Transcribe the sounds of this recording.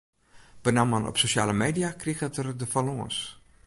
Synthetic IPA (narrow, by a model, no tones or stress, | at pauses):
b̥ənamanʔɔ̰psoʃa̰ːləmeːdijakriɣətərdəfalɔə̰s